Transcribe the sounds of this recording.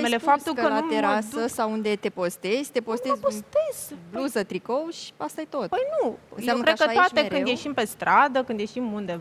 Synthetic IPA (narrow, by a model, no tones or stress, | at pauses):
melefap̚t̪ukəlateɾasəsawund̪e̞t̪e̞po̞st̪ezʲt̪e̞po̞st̪ezpost̪ezluzət̪ɾikoʃast̪ajet̪o̞t̪pəjnunsjeamnkɾeakət̪at̪eɾkɨnje̞ʃimpe̞st̪ɾʔad̪əkɨnd̪je̞ʃimund̪ev